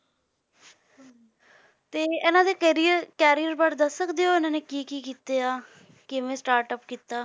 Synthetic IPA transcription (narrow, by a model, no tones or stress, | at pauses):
t̪eːɪnãːd̪eːkːɾiəkɛːɾijəɾbaːʈd̪əsːəkd̪eoːɪnãːneːkiːkiːkiːt̪eːaː | kɪmɛ̃ːsʈaːɾʈəpkiːt̪aː